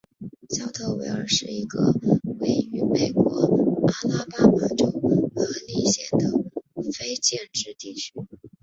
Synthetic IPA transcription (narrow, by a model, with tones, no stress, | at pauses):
ɕjɑ˥ʊt̪ʰo˥˩ʊwḛ˧˥ɪə̰˞˧ʂɻ̩˥˩i˧˥ɡə̰˧we˧˥ɪy˧˥me˨˩ɪkwɔ˧˥a˥la˥pa˥ma˨˩ʈ͡ʂo˥ʊxɤ˧˥li˧˥˩ɕjɛ˨˩nd̪ə˦fe˥ɪt͡ɕjɛ˥˧nʈ͡ʂɻ̩˥˧t̪i˥˩t͡ɕʰy˥